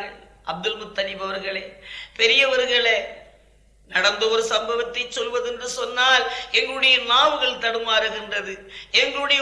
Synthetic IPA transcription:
ɐ | ʔɐb̚d̪ɐlmʊt̪ːɐnibɐʋɐɾɣɐɭeːpɛɾɪjɐʋɐɾɣɐɭeː | nɐɽɐnd̪ɐɔɾɯsɐmbɐʋɐt̪ːɐɪt͡ʃːɔlʋɐðɛndrɯsɔnːaːlɛŋɡɐɭɯɽɐjɐnaːʋɯɣɐɭt̪ɐɽɯmaːɾɯɣɪndrɐðɯɛŋɡɐɭɯɽɐjɐ

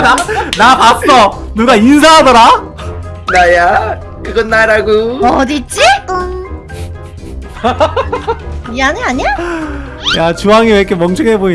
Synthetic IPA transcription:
napas͈ʌnuɡains̬ʰaɦadʌɾa | naja | kɯɡʌnːaɾaɡoʌdit͡ɕ͈i | aɲiaɲa | jat͡ɕuaŋiwek͈ʰemʌŋt͡ɕʰɯŋeboi

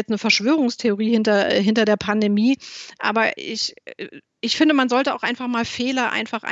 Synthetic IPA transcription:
ɛt͡snəfɛɐʃv̥øːʁ̞ʊŋstʰeoʁ̞iːhɪntɐɦɪntɐdeːɐpʰandemiːʔa̰ːbɐɪ̰ç | ʔɪçfɪndəmanzɔltəa̰ʊxʔa̰ɪnfaχmaːlfeːlɐʔa̰ɪnfaχʔa̰

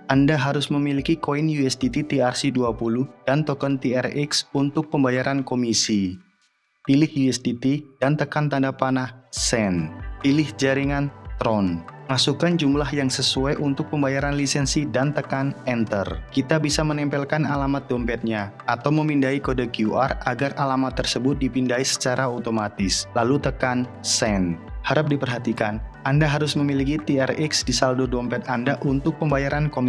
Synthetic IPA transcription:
ʔandaɦaɾʊsməmilikikoinjuɛsdit̪it̪iarsiduapulʊhdant̪ɔkɔnt̪iɛriksunt̪ʊk̚pəmbajaɾankomisi | pilɪhjuɛsdit̪idant̪əkant̪andapanahsɛnpilɪhd͡ʒaɾiŋant̪ɾɔnmasukand͡ʒumlahjaŋsəsuajʔunt̪ʊk̚pəmbajaɾanlisɛnsidant̪əkanɛnt̪ə̰rkit̪abisamənɛmpɛlkanalamat̪̚dɔmpɛt̪̚ɲa | at̪awməmindaikodakiuʔa̰raɡaralamat̪ːərsəbʊt̪̚dipindaisə̥t͡ʃaɾʔaot̪omat̪ɪslalut̪əkansɛnhaɾap̚dipərɦat̪ikanandaɦaɾʊsməmilikit̪iɛriksdisaldodɔmpɛt̪andaʔunt̪ʊk̚pəmbajaɾankom

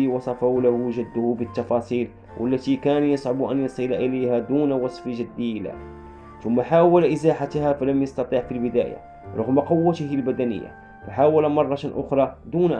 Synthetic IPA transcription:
iwɑsˤɑfalæhʊʒæd̪ːʊhʊbət̪ːɑfɑsˤiːl | wʔə̰lːæt̪ikænjɑsˤʕʊbʔænjɑnsˤɨlaʔəlæjhæd̪uːnwɑsˤfʒəd̪ːilæ̰ | t̪ʊmːaħaːwælʔəzaħat̪hæfælæmjɑst̪ɑt̪ˤiʕfilbəd̪æ̰ːja̰ | ɾˤʊ̰ɣmaqʊwːət̪əhilbæd̪ænə̰jːa̰ | faħaːwælmɑrˤːɑt̪nʔʊxɾˤɑd̪unʔ

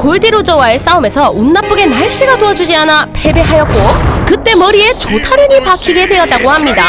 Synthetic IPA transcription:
koɭdiɾod͡ʑʌwaes͈aume̞sʰʌunːap͈uɡe̞naɭɕ͈iɡatoad͡ʑud͡ʑianape̞be̞ɦajʌt̚k͈okɯt͈e̞mʌɾie̞t͡ɕotʰaɾuɲipakʰiɡe̞dwe̞ʌt̚t͈aɡohamɲida

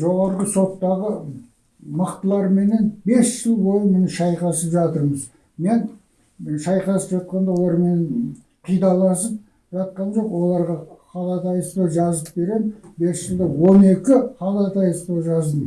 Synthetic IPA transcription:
ʒo̞ʁɑɾəʁəso̞t̪ːɑʁə | məqt̪əlˠɑɾme̞ne̞nbe̞sʒ̥əlˠbo̞lˠəpme̞nʃɑjqɑsəpʒɑt̪əɾməz | me̞n | ʃɑjqɑsəpʒɑt̪̚qɑnd̪ɑwolˠɑɾmenn | qʰijd̪ɑlˠɑsəp̚ | ʒɑt̪̚qɑnʒo̞qwo̞lˠɑɾʁɑqʰɑlˠɑt̪ʰɑjəst̪oʒɑzəp̚be̞ɾe̞mbe̞sʒəlˠd̪əwo̞ne̞kʲɪqʰɑlˠɑt̪ʰɑjəst̪oʒɑzd̪əm

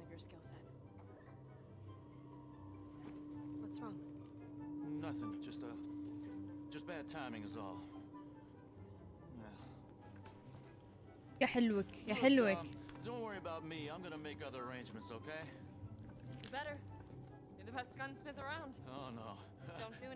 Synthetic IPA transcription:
ʌvjə˞skɪlˠsɛt̚ | ðatsɹɔ̃ŋ | nʌθɪ̃ŋd̥ʒ̥ʌstə | d̥ʒ̥ʌsb̥æd̚tʰãɪ̃mɪ̃ŋɨzɔ̰lˠ | jæ | jaħɪlwəkjaħɪlwɪkd̥õʊ̃nʔ̚wɜɹiəbaʊt̚miãɪ̃mɡʌnəmeɪkʌðə˞ə˞ẽɪ̃nd͡ʒmə̃ntsoʊkʰeɪ | əbɛɾə˞ | jə˞ðəpɛstɡ̥ʌ̃nsmɪθə˞ãʊ̃nd̥oʊnoʊ | dõʊ̃nd̥ɨ

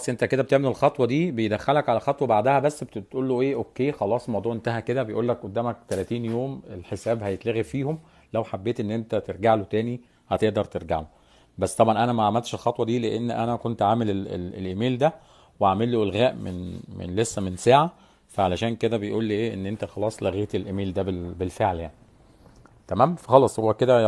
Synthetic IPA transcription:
ɑsˤːʔent̪æked̪æbet̪eʕmelelxɑt̪ˤwɑd̪iːbejd̪æxːælækʕalælxɑt̪ˤwɑbaʕd̪æhæbæsːb̪t̪ʔuːlːoʔeːʔokːeːxɑlɑːsˤmɑwd̪ˤuːʕʔent̪æɦæked̪æbejʔuːlːækʔod̪ːæːmæk̚t̪ælæːt̪iːnjoːmelħesæːbhæjet̪læːɣifiːhom | læwħabːeːt̪ʔenːʔent̪æt̪eɾɡaʕlot̪æːni | hæt̪eʔd̪ɑɾˤt̪eɾɡa̰ʕlo | bæsːt̪ɑbʕɑnʔænæmæʕamælt̪ʃelxɑt̪ˤwɑd̪iːleʔenːʔænækont̪ʕaːmeleḛlḛlʔemiːld̪æ | weʕamelːuʔelɣæːʔmḛnmḛnlesːæmensaːʕa | fæʕalæʃæːnked̪æbejʔuːlːiʔeːʔenːʔent̪æxɑlɑːsˤlæɣiːt̪elʔemiːld̪æbebelfeʕljaʕni | t̪æmæːmfxɑlɑsˤhowːæked̪æ

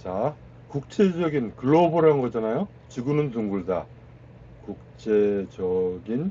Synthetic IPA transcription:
t͡ɕa | kuk̚t͡ɕʰe̞d͡ʑʌɡinkɯɭːobɯɾanɡʌd͡ʑanajo | t͡ɕɯɡunɯnt̬uŋɡuɭda | kuk̚t͡ɕʰed͡ʑʌɡin

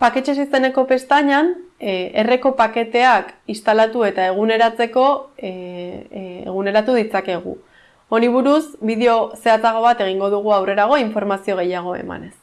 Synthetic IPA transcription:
pake̞t͡ʃesise̞ne̞ko̞pe̞st̪aɲane̞re̞ko̞pake̞t̪e̞akist̪alat̪ue̞t̪ae̞ɣ̞une̞ɾat͡se̞ko̞ | ḛɣune̞ɾat̪uð̞it͡sake̞ɣ̞ṵ | o̞niβ̞uɾusbiðeo̞se̞at͡saɣ̞o̞β̞at̪e̞ɣ̞iŋɡo̞ðuɣ̞uawre̞ɾaɣ̞o̞iɱfo̞ɾmasio̞ɣ̞e̞jaɣ̞o̞e̞̰ma̰ne̞s

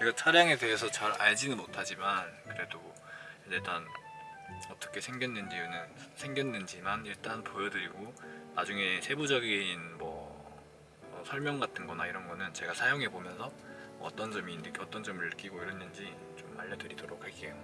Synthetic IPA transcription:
t͡ɕeɡat͡ɕʰaɾjaŋe̞de̞ɦe̞sʰʌt͡ɕaɾaɭd͡ʑinɯnmotʰad͡ʑimankɯɾe̞do | ieɭt͈an | ʌt͈ʌkʰe̞sʰe̞ŋɡjʌnːɯnd͡ʑiunɯnsʰe̞ŋɡjʌnːɯnd͡ʑimaniɭt͈anpojʌdɯɾiɡoma̰d͡ʑuŋe̞sʰe̞bud͡ʑʌɡinmʌ̰ | sʰʌɭmjʌŋɡatʰɯnɡʌnaiɾʌnɡʌnɯnt͡ɕe̞ɡasʰajoŋɦe̞bomjʌnsʰʌ | ʌ̰t͈ʌnd͡ʑʌmiːndɯkʰʌt͈ʌnd͡ʑʌmɯɭːɯk͈iɡoiɾenːɯnd͡ʑi | t͡ɕoma̰ʎːʌdɯɾidoɾok̚ʰhak͈ejo

